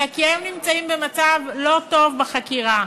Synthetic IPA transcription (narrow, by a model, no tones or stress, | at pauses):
akiajomnimt͡saimbe̞mat͡savlo̞to̞vbeχakiʁa